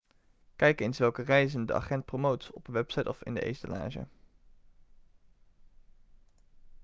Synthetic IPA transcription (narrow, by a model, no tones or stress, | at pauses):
kɛjkejnsʋɛlˠkərɛjzəndəʔɑ̰χɛnt̚prowmowtsɔpəʋɛpsɑjtɔfɪ̰ndəʔḛjstəla̰ːʒə̰